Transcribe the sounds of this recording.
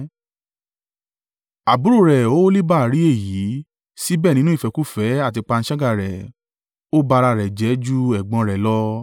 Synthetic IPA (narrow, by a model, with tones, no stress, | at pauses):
a˨bu˨˦ɾu˦˨ɾɛ˨o˦li˦ba˦˨ɾi˨˦e˦˨ji˨˦ | si˦bɛː˦˨nĩ˦nũ˦i˦˨fɛ˧˨ku˦fɛ˨˦a˦˨ti˧k͡pa˧ñ̩˧˦ʃa˦ɡa˦˨ɾɛ˨ | o˦ba˧ɾa˧˨ɾɛ˨d͡ʒɛ˨˦d͡ʒu˦ɛ˦˨ɡ͡bɔ̃˨˧ɾɛ˨lɔ˦